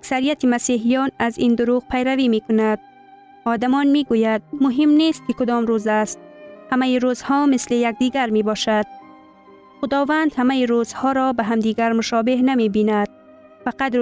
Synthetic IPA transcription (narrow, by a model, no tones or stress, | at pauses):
aksaɾijat̪ʰimasiɦijɔnazind̪ʊɾuɣpʰajɾavimekʊnad̪̥̚ | ɒːd̪amɒnmiɡujad̪̚mʊɦimnest̪̚kɪkʊd̪ɔmɾuzast̪̚hamajiɾuzhɔmɪslejak̚d̪iɡaɾmebɒʃad̪̥̚ | xʊd̪ɒvand̪hamajiɾuz̥hɔɾɔbaɦamd̪iːɡaɾmʊʃɔbehnamebinad̪̥̚ | faqad̪